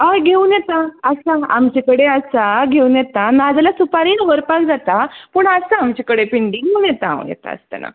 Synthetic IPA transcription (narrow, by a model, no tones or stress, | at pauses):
ajɡʱeunjet̪aəsaa̰mt͡ɕekəɽeəsaɡʱeuːnjet̪anad͡zlasupaɾiːnɦəɾpãkd͡zat̪apəːɳəsaamt͡ɕekəɽepiɳɖiŋunjɛt̪ãṵ̃jɛ̰t̪a̰ə̰st̪ə̰na̰